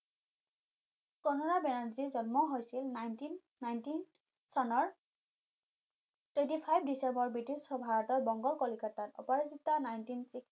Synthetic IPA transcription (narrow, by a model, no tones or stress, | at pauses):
kɔnɔɹabɛnaɹzizɔnmɔɦojsilnajntinːajntin | sɔnɔɹ | twẽntipʰajb̚ʰʱdisɛmbɔɹbɹitisɔbʱaɹɔtɔɹbɔŋɡɔlkɔlikatatɔ̰paɹizitːɔnajntinsik